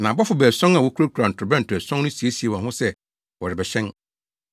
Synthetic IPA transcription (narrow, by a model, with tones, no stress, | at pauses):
nã˨bɔ˦fʊ˨bæ˨sɔ̃˦ŋa˨wɔ˦kʰu˦ɾo˦kʰu˨ɾa˨n̩˨tʰʊ˨ʊ˨bɛ˦n̩˨tʰʊ˨ɛ˨sɔ̃˦ŋnʊ̃˦si˨˦e˦si˨e˨wɔ̃˨nhʊ̃˦sɛ˦ | wɔ˨ɾɪ˨bɛ˨ɕɛ̃˦n